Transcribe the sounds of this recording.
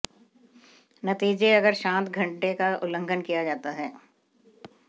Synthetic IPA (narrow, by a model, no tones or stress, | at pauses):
nɐt̪iːd͡ʒeɐɡəɾʃãːt̪ɡʱɐ̃ɳʈekaʊlə̃ŋɡʱənkijad͡ʒaːt̪aɦɛː